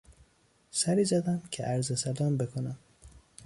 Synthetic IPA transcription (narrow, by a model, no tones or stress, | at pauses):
sæɾiːzæd̪æmcʰḛʔæɾzesælɒːmbe̞kʰonæm